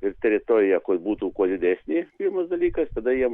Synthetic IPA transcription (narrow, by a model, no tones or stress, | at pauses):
ɪrt̪ʲɛɾʲɪt̪oːɾʲɪjɛkʊbuːt̪uːkuɔd̪ʲɪd̪ʲæːsʲnʲiːpʲɪɾmɐsd̪ɐlʲiːkɐst̪ɐd̪ɐjiɛ